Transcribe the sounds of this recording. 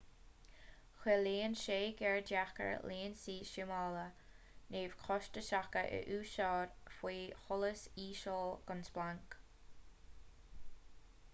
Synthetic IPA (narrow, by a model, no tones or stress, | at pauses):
xɛleːnʃeːɡɛɹdakə̰ɹleːnsiːʃɪmalə | neːv̥kʰɔʃtəʃakəʔə̰ʔuːʃɑːɹfwiːxʊləsiːʃɔːlɡ̥ʊnsb̥laŋk